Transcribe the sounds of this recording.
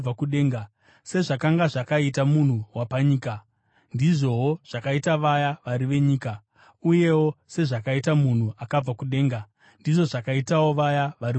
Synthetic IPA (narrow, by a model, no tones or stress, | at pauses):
akuɗeːŋɡa | se̞ʐakaŋɡaʐakaitamun̤uwapaɲiːka | ndiʐo̞ɦoʐ̥akaitaʋajaʋaɾiʋe̞ɲiːka | uje̞wo̞se̞ʐakaitamun̤uakab͡vakuɗe̞ːŋɡa | ndiʐo̞ʐakaitawo̞ʋajaʋaɾi